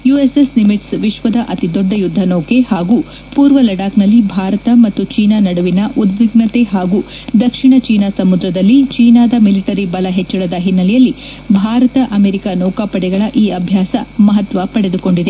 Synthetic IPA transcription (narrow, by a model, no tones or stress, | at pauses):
juːeseslimiʈsʋiʃʋɐd̪ɐʔɐt̪id̪oɖːɐjud̪ʱːɐnoːke̞haːɡuː | puːɾʋɐlɐɽaːknɐlːibʱaːɾɐt̪ɐmɐt̪ːut͡ʃiːnanɐɽuʋinɐʔud̪ʋiɡɳɐt̪e̞ɦaːɡuː | d̪ɐkʂiɳɐt͡ʃiːnasɐmud̪ɾɐd̪ɐlːit͡ʃiːnaːd̪ɐmiliʈɐɾibɐlɐɦet͡ʃːɐɭɐd̪ɐɦinːɐlɛjɐlːi | bʱaːɾɐt̪ɐʔɐmeːɾikanɔːkaːpɐɽɛɡɐɭɐʔiːɐbʱjaːsɐmɐɦɐt̪ʋɐpɐɽe̞d̪uko̞ɳɖid̪e